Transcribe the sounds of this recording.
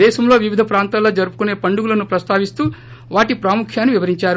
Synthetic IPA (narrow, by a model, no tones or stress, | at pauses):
ɛːʃɐmlo̞ːʋiʋid̪ʱɐpɾaːnt̪aːlo̞ːd͡ʒɐɾupu̥kune̞ːpɐɳɖuɡulɐnupɾɐst̪ʰaːʋist̪uː | ʋaːʈipɾaːmukʰjaːnːiʋiʋɐɾiɲt͡ʃaːɾu